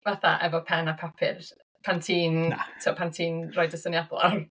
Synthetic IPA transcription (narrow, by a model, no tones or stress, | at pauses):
vaθaʔɛvɔpʰɛnapʰɔpʰɪ̰r | pʰantʰiːntʰiɔpʰantʰiːnrɔɨdəsənjablɔ̰